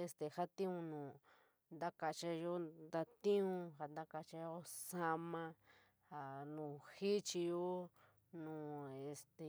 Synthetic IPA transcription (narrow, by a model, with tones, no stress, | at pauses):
e˧st̪e˨ha˦t̪ĩ˦ũ˧nũː˨ | nd̪a˦ka˧t͡ʃa˧jo˦nd̪a˧t̪ĩ˦ũ˧ha˨nd̪a˦ka˧t͡ʃa˧jo˦sa˧mã˧ | ha˨nũ˨xi˦t͡ʃi˧jo˦ | nũː˨e˧st̪e˨